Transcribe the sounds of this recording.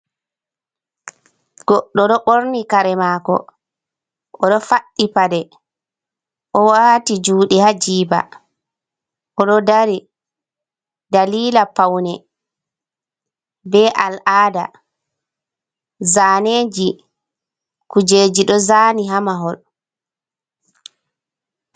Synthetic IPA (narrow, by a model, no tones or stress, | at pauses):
ɡ̥ɔɗːɔɗɔɓoɾnikaɾɛmaːkɔ̰ | ʔɔɗɔfaɗːipadɛ | ʔɔwaːtid͡ʒuːɗɛhad͡ʒiːba̰ | ʔɔɗɔdaɾi | daliːlapawnɛ | bɛʔalʔaːda̰ | zaːneːd͡ʒi | kud͡ʒeːd͡ʒiɗɔzaːniɦamaɦɔl